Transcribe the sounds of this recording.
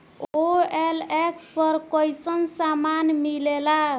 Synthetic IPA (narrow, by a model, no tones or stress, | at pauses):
oelekspəɾkəjsənsamanmilela